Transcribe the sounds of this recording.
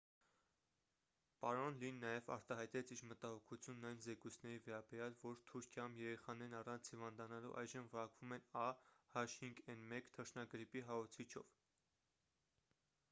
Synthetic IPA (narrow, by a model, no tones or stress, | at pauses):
pɑɾɔnlinːɑjɛvɑ̰ɾt̪ɑɦɑjt̪ɛt͡sʰiɾmət̪ɑhɔkʰut͡sʰjunːɑjnzɛkujt͡sʰnɛɾivɛɾɑbɛɾjɑlvɔɾt̪ʰuɾkʰjɑumjɛɾɛχɑnɛɾnɑrɑnt͡sʰhivɑnd̪ɑnɑlṵʔɑ̰jʒəmvəɾɑkv̥umɛnɑhɑʃhiŋɡɛnmɛkt̪ʰəʃnɑɡɾipiɦɑɔt͡sʰit͡ʃʰɔ̰v